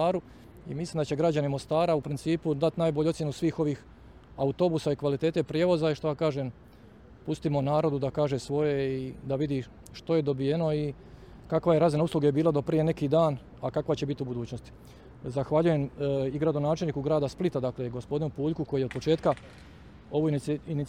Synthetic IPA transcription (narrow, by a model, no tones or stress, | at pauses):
aːɾu | imisliːmd̪at͡ɕe̞ɡɾad͡ʑanimo̞st̪aːɾaupɾint̪siːpud̪at̪naːjboʎuosje̞nusʋiːxo̞ʋiːx | aut̪o̞busaikʋalit̪eːt̪e̞pɾjeʋo̞zaiʃt̪ojakaːʒem | pust̪imo̞naːɾo̞d̪ud̪akaːʒesʋo̞je̞id̪aʋid̪i | ʃt̪o̞je̞d̪o̞bije̞no̞i | kakʋajeɾazinauslˠuɡe̞biːlˠad̪o̞pɾije̞ne̞kiːd̪aːn | akakʋat͡ɕe̞bit̪iubud̪uːt͡ɕno̞st̪i̥ | zaxʋaʎuje̞miɡɾad̪o̞naːt͡ʃelʲniːkuɡɾaːd̪asplˠit̪ad̪akleɡo̞spo̞d̪inupuːʎkuko̞jijeod̪̚pot͡ʃe̞ːt̪ka | o̞ʋuini